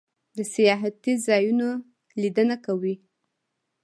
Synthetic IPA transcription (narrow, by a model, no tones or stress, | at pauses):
d̪əsijɑɦat̪izɑjuno | lid̪ənakawi